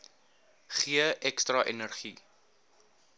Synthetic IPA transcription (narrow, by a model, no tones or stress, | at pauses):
χiəʔɛkstrɐʔɛnərχi